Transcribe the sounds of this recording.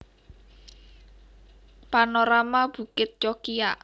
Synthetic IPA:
panoɾamab̥ṳkɪt̪̚t͡ʃɔkija̰

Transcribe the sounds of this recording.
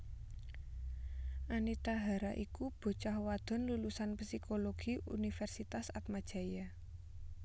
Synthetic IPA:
ʔanit̪aɦaɾaʔikub̥o̤t͡ʃahwad̪̥ɔ̤nlulusanpsikʰoloɡ̥i̤ṵnifɛrsit̪asat̪̚mad̥ʒ̥a̤ja

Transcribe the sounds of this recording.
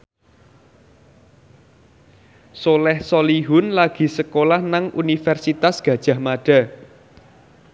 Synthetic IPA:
solɛhsɔliɦʊnlaɡ̥i̤səkolahnaŋʔunifɛrsit̪asɡ̥ä̤d̥ʒ̥a̤hmaɖ̥a̤

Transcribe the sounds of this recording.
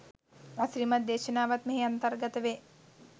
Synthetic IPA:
asɾimat̪̚d̪eːʃənaːʋat̪meɦeant̪əɾɡət̪əʋe

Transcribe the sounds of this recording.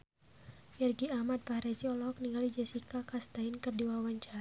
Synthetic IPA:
jɛrɡiahmad̪̚pahɾat͡ʃiɔlɔk̚niŋɡalid͡ʒasikakast̪aɪnkɨrdiwawaɲt͡ʃaɾa

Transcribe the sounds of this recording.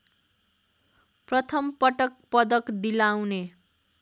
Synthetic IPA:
prʌt̪ʰʌmpʌʈʌk̚pʌd̪ʌkd̪ilawne

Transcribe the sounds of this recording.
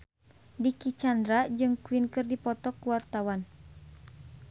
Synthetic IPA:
dikit͡ʃand̪ɾad͡ʒɨŋkuwinkɨrdipɔt̪ɔkuwart̪awan

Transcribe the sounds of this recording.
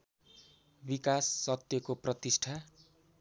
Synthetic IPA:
bikasːʌt̪jʌkoprʌt̪isʈʰa

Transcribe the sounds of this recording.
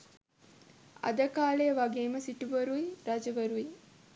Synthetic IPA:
a̰d̪əkaːlejəʋaɡeːməsiʈuʋəɾuiɾad͡ʒəʋəɾui

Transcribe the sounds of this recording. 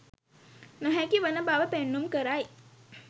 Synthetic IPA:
nəɦækiʋənəbaʋəpeɳːumkəɾaj

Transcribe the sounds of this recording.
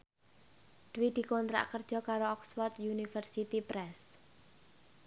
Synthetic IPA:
d̥wid̪̥i̤kɔnt̪ɾa̰ʔkərd̥ʒ̥ɔ̤kaɾoɔkswɔrt̪junifərsit̪ipɾɛs

